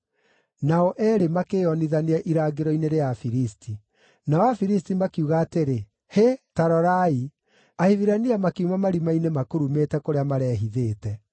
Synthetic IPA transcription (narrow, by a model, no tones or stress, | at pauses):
naɔʔɛɾemakeːɔniðaneɛʔiɾaːɡeɾɔineɾeafiɾistʰi | naɔwafiɾistimakiuɣaːteɾe | hetaɾɔɾai | ahiðiɾaniamakeumamaɾimainemakoɾumetɛkoɾeamaɾɛːɦiðeːtɛ